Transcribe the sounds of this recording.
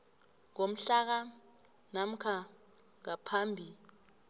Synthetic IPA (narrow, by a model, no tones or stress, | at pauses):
ŋom̩ɬak̬a | nam̩kʰa | ŋapʰaːmbʱi